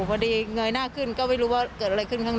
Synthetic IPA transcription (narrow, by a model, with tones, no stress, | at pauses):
kʰa˧diː˧ŋɤ˧jnaː˥˩kʰɯ˥˩nkɔː˥˩ma˥˩jɾuː˦˥waː˥˩kɤː˨˩t̪̚ʔa˧ɾa˧jkʰɯ˥˩nkʰa˥˩n